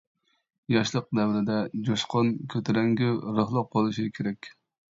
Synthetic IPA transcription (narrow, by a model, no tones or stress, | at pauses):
jɑʃlˠəq̚d̪ɛwɾɪd̪ɛd͡ʒoʃqʰɑnkʲʰøt̪ʰɛɾɛŋɡʲyɾəχlˠəqʰːɑlˠɨʃikʲʰeɾɛkʲ